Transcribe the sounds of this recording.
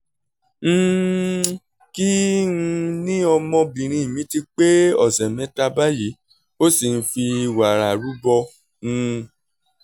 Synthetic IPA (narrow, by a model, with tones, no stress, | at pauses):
ñ̩˦ | ki˦ũ˧nĩ˦ɔ˧mɔ̃˧bĩ˨ɾ̃ĩ˧˨mĩ˨˦ti˧k͡pe˦ɔ˨sɛ˨mɛ̃˨˦ta˧ba˦ji˨˦ | o˦si˨n̩˦fi˧wa˨ɾa˨ɾu˨˦bɔ˧ | ũ˧